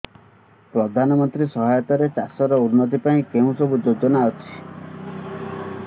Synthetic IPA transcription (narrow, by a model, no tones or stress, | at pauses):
pɾɔd̪ʱanɔmɔnt̪ɾisɔɦajɔt̪aɾet͡ʃasɔɾɔunːɔt̪̬ipaĩkeɦũsɔbud͡ʒod͡ʒɔnaːwt͡ʃʰi̥